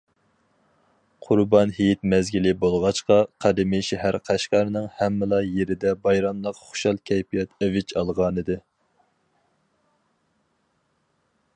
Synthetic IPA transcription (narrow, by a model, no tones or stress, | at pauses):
qʰʊɾbɑnhijit̪̚mɛzɡʲilɪbolˠʁɑt͡ʃqɑqʰɑd̪ɪmɪʃɛɦæɾqʰæʃqɑɾnɨŋhæmːɪlˠɑjeɾɪd̪ɛbɑjɾɑmlˠəqχʊ̥ʃɑlˠkʲʰɛjpʰijɛt̪ɛvɪt͡ʃʰɑlˠʁɑnɨd̪ɨ